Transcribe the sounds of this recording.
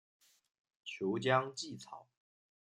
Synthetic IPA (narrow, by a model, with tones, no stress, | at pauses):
t͡ɕʰjo˨˧˦ʊt͡ɕjɑ˦ŋt͡ɕi˥˨t͡sʰɑ̰˨˩˦ʊ